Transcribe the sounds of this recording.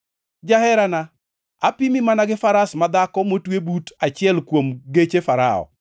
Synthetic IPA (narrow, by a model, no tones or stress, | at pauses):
d͡ʒahɛɾana | apimimanaɡɪfaɾasmad̪akɔmotwebutʰat͡ʃɪɛlkwomɡet͡ʃefaɾaɔ̰